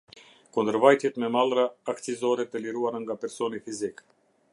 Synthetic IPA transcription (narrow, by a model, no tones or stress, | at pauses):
kund̪əɾvajt̪jɛt̪mɛmalˠɾaːkt͡sizɔɾɛt̪ɛliɾuaɾaŋɡapɛɾsɔnifizik